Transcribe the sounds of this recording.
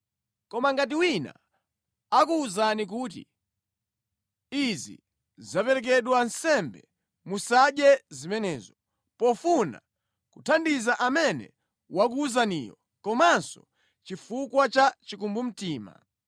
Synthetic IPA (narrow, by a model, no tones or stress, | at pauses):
kɔmaŋɡat̬iwina̰ | akuːzanik̬uːt̬ḭ | izḭ | zapɛɾɛk̬ɛɗwansɛmbɛ | musaɗjɛzimɛnɛːzɔ | pɔfuna̰ | kutʰandizaʔamɛnɛ̰ | wak̬uːzanijɔ̰ | kɔmansɔ | t͡ʃifukwat͡ʃat͡ʃikumbum̩tiːma̰